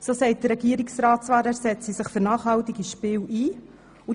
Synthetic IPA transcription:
sosɛɪt̚d̥̪ərɾːɛɡiːəɾɪksɾɑːtt͡svɑːɾæːɾsɛt͡sisɪχføɾnɑːχhɑwt̪iɡiʃpɪːwʔiː | u

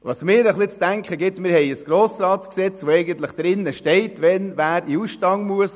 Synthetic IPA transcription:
ʋɑsmɪːɾəχlɪt͡sd̥æŋkχəɡɪtmɪːɾhɛɪəsɡ̥ɾoːsɾɑːtsksɛt͡sʋoɛɪɡənt̪ləχd̥ɾɪnːəʃtɛɪtʋɛnvæːɾiusʃtɑŋmuəs

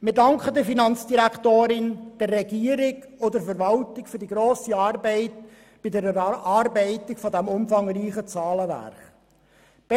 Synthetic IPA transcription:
mɪɾdɑŋkχədɪɾfinɑnt͡sd̥iɾækχt̪oːɾɪnd̥ɛrːɛɡiəɾɪɡ | odəɾfəɾvɑltɪkfʏɾdiɡɾoːsiɑːrbɛɪt | b̥ɪdɛɾɑːɾbɛɪtɪkfɔd̪æmʊmfɑŋɾiːχət͡sɑːləʋæ̰ɾχ | b̥ɛ

